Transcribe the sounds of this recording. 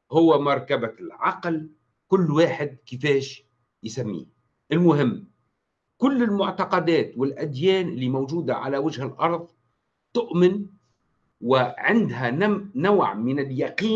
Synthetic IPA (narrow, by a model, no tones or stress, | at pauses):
hʊwːamɑɾˤkabalʕɑql | kʊlːwaːħɪd̪̚kɪfeːʃ | jsamːḭː | ʔɪlmʊɦɪmː | kʊlːɪlmʊʕt̪ɑqɑd̪aːt̪wɪlʔad̪jeːnʔɪlːimowd͡ʒuːd̪aʕa̰lawad͡ʒhalʔɑɾˤðˤ | t̪ʊʔmɪn | wɪʕɪnd̪ɦanawʕmɪnɪljaqiː